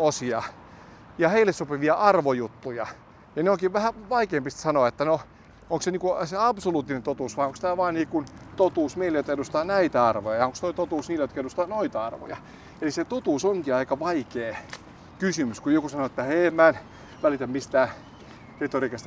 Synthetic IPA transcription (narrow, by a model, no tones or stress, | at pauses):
osiɑ | jɑheilːesopiʋiɑʔɑrʋojut̪ːujɑ | jɑneoŋkiʋʋæhæʋɑikeːmpist̪sɑnoɑet̪ːæno | oŋkseniːkuseɑbsoluːt̪ːinent̪ot̪uːsʋɑːoŋkst̪æːʋɑːnniːkunt̪ot̪uːsmeilejot̪ɑedust̪ɑːnæit̪æɑrʋojɑjɑoŋkst̪oit̪ot̪uːsniːlæjot̪keɾust̪ɑːnoit̪ɑɑrʋo̰jɑ̰ | eliset̪ut̪uːsoŋkiɑikɑʋɑikeː | kysymyskujokusɑnoet̪ːæheːmmæn | ʋælit̪æmmist̪æː | ket̪orikest̪